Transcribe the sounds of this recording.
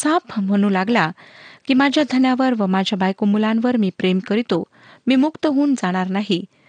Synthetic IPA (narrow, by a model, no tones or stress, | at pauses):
sãpm̤əɽ̃uːlaɡlakiːmad͡ʑʱjad̪ʱənjaʋəɾʋəmad͡ʑʱjabajkomulãnʋəɾmiːpɾemkəɾit̪o | miːmukt̪əɦuːnd͡zaɽ̃aɾnaɦi